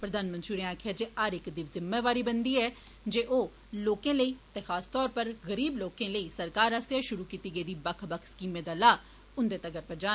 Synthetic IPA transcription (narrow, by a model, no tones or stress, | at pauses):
pɾəd̪aːnmə̃nt̪ɾiuːɾẽãːkʰjaːd͡ʒeːaɾɪkd̪iːʋzɪmːeːʋaːɾiːbənd̪iːɛː | d͡ʒeːʔoː | loːkẽːləiːt̪ẽːxʰaːst̪ɔːɾpəɾɣəɾiːbloːkẽːləiːsəɾkaːɾaːst̪jaːʃʊɾuːkiːt̪iːɡəiːd̪iːbəkʰbəkʰskiːmed̪aːlaː | ʊnd̪eːt̪əɡəɾpəɾd͡ʒaː